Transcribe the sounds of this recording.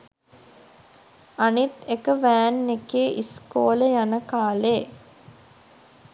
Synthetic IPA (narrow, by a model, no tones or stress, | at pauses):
anit̪ekəʋæːnːekeʔiskoːləjanəkaːleː